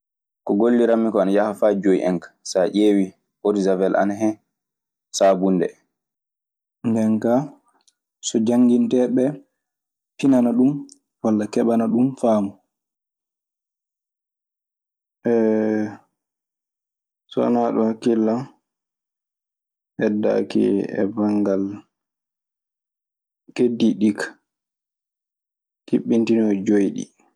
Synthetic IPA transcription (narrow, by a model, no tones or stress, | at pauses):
kɔɡolːiɾamːikɔanajahafaːd͡ʒojḭʔɛ̰ŋkḁsaʔeːwi | ʔoɾizavɛlʔa̰naɦɛ | sabunːdɛ̰ | ndɛnka | sɔd͡ʒaŋɡintɛɓɛ | pinanaɗum | walːakɛɓanaɗumfaːmɔ | ʔɛ | sɔ̰a̰naɗɔhakːilːa | ʔɛdːa̰kḭɛ̰baŋɡal | kediɗikḁ | kiɓːintinɔd͡ʒojɗḭ